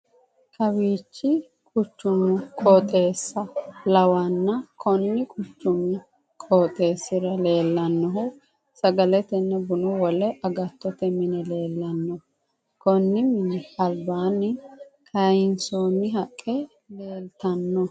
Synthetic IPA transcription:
kʰɐwiːt͡ʃːɪ | kʼʊt͡ʃːʊmːʊkʼɔːt̪ʼe̞ːsːɐlɐwanːɐkʰɔnːɪkʼʊt͡ʃːʊmːʊ | kʼoːt̪ʼe̞ːsːɪɾɐle̞ːlːɐnːɔɦʊ | sɐɡɐlɛt̪ɛnːɛbʊnʊwɔlɛʔɐɡɐt̪ːɔt̪ɛmɪnɛle̞ːlːɐnːɔ | kɔnːɪmɪnɛɐlbaːnːɪkʰɐjɪnsoːnːɪɦɐkʼːɛ | le̞ːlt̪ɐnːɔ

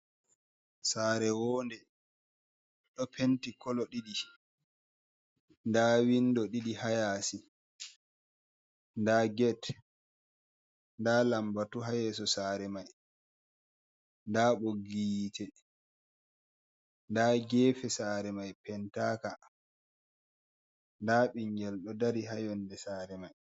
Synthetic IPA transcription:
saːɾɛwɔːndɛ | ɗɔpʰentikɔlɔɗiɗi | ndawindɔɗiɗihajaːsi | ndaːɡɛt | ndaːlambatuɦajɛsɔsaːɾɛmaj | ndaːɓoɡitʰɛ | ndaɡɛːfɛsaːɾɛmajpɛntaːka | ndaɓiŋɡɛlɗɔdaɾiɦajɔndɛsaːɾɛmaj

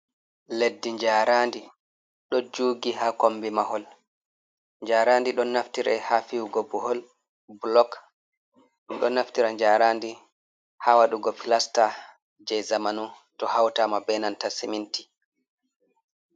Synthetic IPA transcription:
ledːiɲd͡ʒaːɾandi | ɗɔd͡ʒuːɡiɦakombimahɔl | ɲd͡ʒaːɾandiɗɔnːaftiɾɛ̰hafiwɡɔbuhɔl | blɔk | ɗumɗɔnaftiɾaɲd͡ʒaːɾandi | hawaɗuɡɔpilasta | d͡ʒɛjzamanu | tɔhawtaːmabɛnantasiminti̥

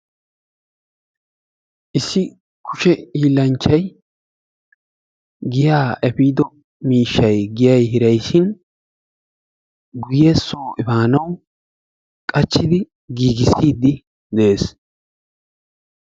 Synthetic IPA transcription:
ʔɪsːɪ | kʰʊʃɛiːlːɐnt͡ʃːɐj | ɡɪjaːʔɛfiːd̪ɔ | miːʃːɐjɡɪjɐjhɪɾɐjʃɪn | ɡʊjeːsoːʔɪbaːnɐw | kʼɐt͡ʃːɪd̪ɪ | ɡiːɡɪsiːd̪ːɪ | d̪ɛʔeːs

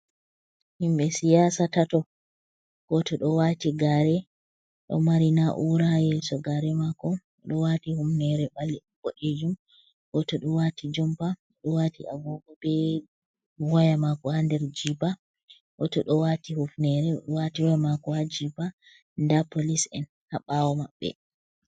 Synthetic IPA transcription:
himɓɛsijasatatɔ | ɡ̥ɔtɔɗɔwatiɡaɾɛ | ɗɔ̰maɾinaʔuɾajɛsɔɡaɾɛmakɔ | ɗɔwatihufnɛɾɛbalɛ | bɔʔed͡ʒum | ɡɔtɔɗɔwatʰid͡ʒɔmpa | ɗɔwatia̰ɡɔbɔbɛ | wajamakɔhandɛɾd͡ʒiba | ɡɔtɔɗɔwatihufnɛɾɛɗɔwatiwjamakɔhad͡ʒiba | ndapolisɛ̰n | haɓawɔmaɓːɛ̰

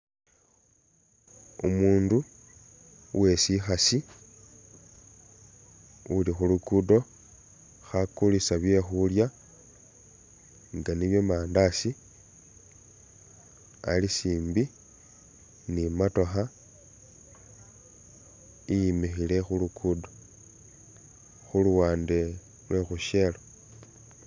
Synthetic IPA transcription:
umuːndu | wʔe̞sixasi | ulixulukudo̞ | xakulisaβje̞xulja | ŋɡaniβje̞maːndasi | a̰lisiːmbi | nimato̞xa | ijimixile̞xulukʰudo̞ | xuluwaːnde̞ | lwe̞xuʃe̞lo

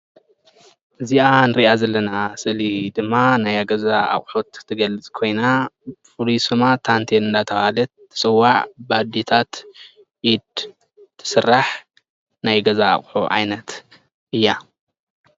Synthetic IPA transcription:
ʔɨzianɨɾiʔazɐlːɐnasɨlid̪ɨmːanajaɡɐzaʔa̰χʼħot̪ʰːɨɡɐlɨt͡sʼkʰo̞jnafulisɨmat̪ʰant̪ʰenɨnd̪at̪ʰɐhalɐt̪̚ʰːɨ̥sʼɨwaʕbad̪it̪ʰat̪ | jid̪ | t̪ʰːɨ̥sɨrːaħ | najɡɐza̰ːχʼħoʔʕa̰jnɐt̪ | ʔɨjːa

